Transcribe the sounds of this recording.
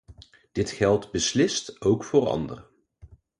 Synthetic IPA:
d̥ɪtχɛlˠdbəslɪstowkfʊːrɑ̰ndə̰r

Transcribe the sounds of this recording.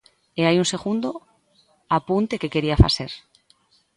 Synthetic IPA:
eajunse̞ɣund̪o | apunt̪e̞ke̞ke̞ɾiafa̰se̞ɾ

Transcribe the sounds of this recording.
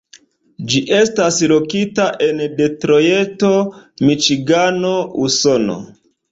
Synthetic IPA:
d͡ʒiʔe̞staslo̞kitaʔe̞nde̞tɾo̞je̞to̞mit͡ʃiɡano̞uso̞no̞̰

